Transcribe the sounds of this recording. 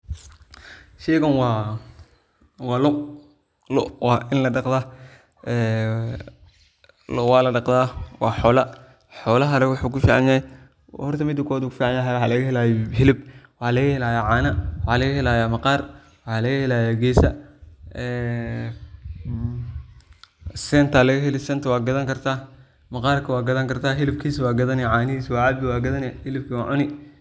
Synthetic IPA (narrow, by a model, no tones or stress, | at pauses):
ʃɛːɣɐnwɑː | wɑːlʊʔ | lɔʔwɑːʔɪnlɐɖɑqd̪a | ʔɛː | lwɑːlɐɖɑqd̪aːwɑːħɔːlɐ | ħɔːlɐɦɐɾwʊħuːkʰʊfiːʕɑ̰njɐhɛj | hɔrt̪ʰɐmɪd̪ʊkʰɔːd̪uːkʰʊfiːʕɑnjɐɦɛjwħalɐɣɐɦɛlaːjɛhɪlɪb̚wɑħaːlɐɣɐhɛlaːjaʕaːnɐwħalɐɣɐhɛlaːjaːmɐqɑːr | wɑħɑlɐɣɐhɛlaːjaːɡɛːsɐ | ɛː | sɛnt̪ʰɐlɐɣɐɦɛlɪsɛnt̪ʰɐwɑːɡɐðɐŋkʰɐrt̪ʰaː | mɐqɑːrkʰɐwɑːɡɐðɐŋkʰɐrt̪ʰaːɦɪlɪb̚kʰiːswɑːɡɐðɐnɛʕaːnɪɦiːswɑːʕaːbɪwɑːɡɐðɐnɛhɪlɪb̚kʰɐwɑːʕʊnɪ